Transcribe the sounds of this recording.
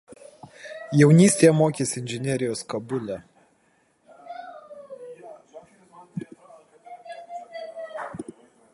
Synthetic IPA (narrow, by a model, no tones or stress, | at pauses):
jɛʊnʲiːsʲt̪ʲejɛmoːkʲeːsʲɪɪnʲʒʲɛnʲɛɾʲɪjoːskɐbʊlʲæ